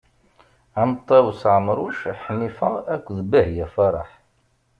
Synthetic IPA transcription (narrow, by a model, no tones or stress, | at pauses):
æmət̪ˤːɑwsʕəmɾˤuʃħnːifæækʷːðbəhjæfɑɾˤɑ̰ħ